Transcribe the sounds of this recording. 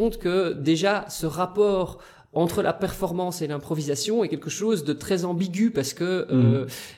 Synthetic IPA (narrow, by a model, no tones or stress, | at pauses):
t̪kəd̪eʒasəʁapɔːʁ | ɑ̃t̪χəlʔa̰pɛʁfɔʁmɑ̃ːselɛ̃pχɔvizasjɔ̃ɛkʲɛlkəʃoːzd̪ət̪χɛzɑ̃biɡʲypaʁsə̥kəø